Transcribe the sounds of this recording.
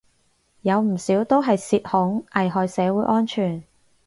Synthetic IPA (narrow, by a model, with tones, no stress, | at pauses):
jɐ˨˧wm̩˨˩siː˨˥wt̪o˥wɦɐ˨jsiː˧t̚hʊ˨˥ŋʔɐ˨jɦɔː˨jsɛː˨˥wuː˨˥jʔɔː˥nt͡ʃʰyː˨˩n